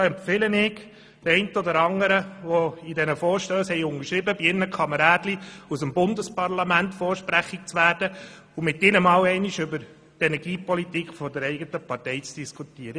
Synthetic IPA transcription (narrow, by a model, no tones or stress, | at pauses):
ɑɛmpfɪlənɪɡ | tɛɪntəɔd̪əɾɑŋəɾəʋɔidɛnəfɔːɾʃtøːshɛɪʊŋəʃɾɪbəbiɪnəkʰɑməɾɑːdliusəmbʊndəspɑɾlɑmæntfɔːɾʃpɾæχik̚t͡sʋæːɾdə | umɪtɪnəmɑwɛɪniʃʏbəɾ | tɛnɛɾɡiːpɔlitikfɔdəɾɛɪɡətəpɑɾtɛɪt͡sd̥iskʰutiːəɾə